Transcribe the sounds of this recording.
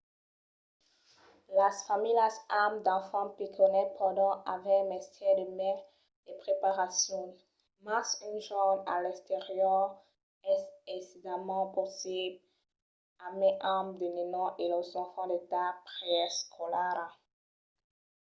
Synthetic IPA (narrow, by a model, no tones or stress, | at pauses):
lasfamilasamd̪ɑ̃fɑ̃pikʰɔnɛpʰɑ̃d̪ɑ̃avɛ̃mɛst̪ʰɛd̪əmɛ | d̪̥epχepaʁasjɔ̃ | masynʒɑma̰lɛkst̪eʁjœʁ | ɛsesid̪amɑ̃posib | ameʔamd̪ənenɔ̃ʔelɔzɑ̃fɑ̃d̪et̪apʁjɛskʰɔlaʁ